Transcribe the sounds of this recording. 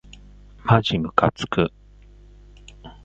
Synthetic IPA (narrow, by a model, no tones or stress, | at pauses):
mad͡ʑimɯ̟kat͡sɨ̥kɯ